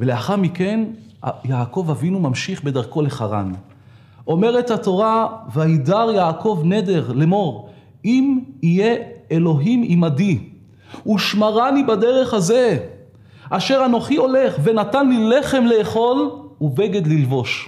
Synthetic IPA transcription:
veleaχaʁmike̞n | jaːko̞vavinumamʃiχbe̞daʁko̞le̞χaʁa̰n | o̞me̞ʁethato̞ʁavaidaʁjaːkʰo̞vne̞de̞ʁlemo̞ʁ | imije̞elo̞ɦimimadi | uʃmaʁanibade̞ʁe̞χhaze̞ | ʔaʃe̞ʁano̞χio̞le̞χve̞natanlile̞χe̞mle̞ːχo̞lubeɡe̞d̪lilvo̞ʃ

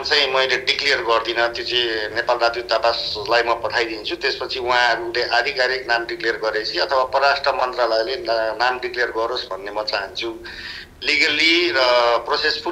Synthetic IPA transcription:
t͡sãj̃mʌjleɖiklejʌrɡʌrd̪inʌt̪jot͡sĩnepalrat̪jot̪apaslajmʌpʌʈʰajd̪int͡sʰut̪espʌt͡sʰiũɦãɦʌɾuleʔad̪ʱikaɾik̚namɖiklejʌrɡʌɾet͡sʰiʌt̪ʰʌwapʌrasʈrʌmʌnt̪ralajlenamɖiklejʌrɡʌɾosbʱʌnːemʌt͡saɦʌnt͡sʰu | liɡaliʌprosespʰu

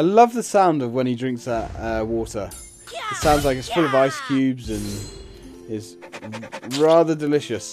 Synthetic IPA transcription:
aɪlʌvðəsãʊ̃ndəvwə̃ñidɹɪ̃ŋksðəʔʌwɔˑtə | ɪtsãʊ̃ndzlaɪkɪz̥fʊlˠəvaɪskʰj̥ʉːbzə̃n | ɪz | ɹɑːðədɪlɪʃəs

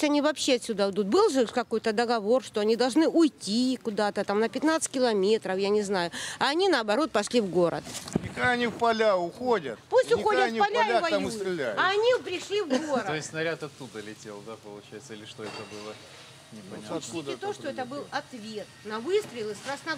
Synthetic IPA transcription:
sʲtʲɐnʲivɐpɕːeɐt̪sʲud̪aɪd̪ut̪̚bɨlˠʐɨkɐko̞jt̪əd̪əɡɐvo̞rʂt̪oɐnʲid̪ɐlˠʐnɨʔʊjtʲikʊd̪at̪ət̪amnəpʲɪt̪nat̪sɨ̥tʲkʲɪlˠɐmʲe̞t̪ɾəfjanʲɪznajʊɐːnʲinɐːbɐɾo̞t̪̚pɐʂlʲivɡo̞ɾə̰t̪nʲɪkaɐnʲifpɐlʲaʊxodʲət̪pusʲtʲʊxodʲət̪nʲipɐlʲalʲavɐj̪amsɪlʲajɐɐnʲipɾʲɪʂlʲivɡoɾət̪ojɪsʲsnɐɾʲat̪ɐt̪ːud̪əlʲɪtʲelˠd̪apəlˠʊt͡ɕæjɪt̪səɪlʲɪʂt̪oɛt̪əbɨlˠə | nʲɪpɐt͡ɕʲit̪ʲɪt̪oʂt̪oɛt̪əbɨlˠɐt̪vʲe̞t̪nɐvɨst̪ɾəɪlˠɨsk̪ɾasnɐ

